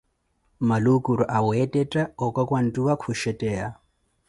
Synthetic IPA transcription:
malukʼuɾɔʔawɛtʼɛtʼaɔkʼakʼwan̩tʼuakʰʊʃɛtʼɛːa

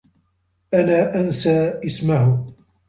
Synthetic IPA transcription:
ʔanaːʔansaːʔɪsmah

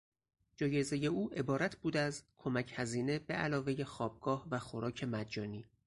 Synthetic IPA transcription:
d͡ʒɒːje̞ze̞je̞uːʔe̞bɒːɾæt̪ʰbuːd̪æzkʰo̞mæcʰhæziːne̞beʔælɒːve̞je̞xɒːb̥̚ɡ̥ɒːhvæxo̞ɾɒːcʰe̞mæd̪d͡ʒɒːniː

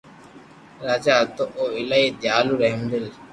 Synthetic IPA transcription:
ɾaːd͡ʒaːlt̪oʔoːɪlaːiːd̪jaːluːɾeɦmd̪ɪl

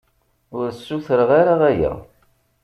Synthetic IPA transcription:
ʊɾsːuθəɾəʁaɾaʁæjæ̰

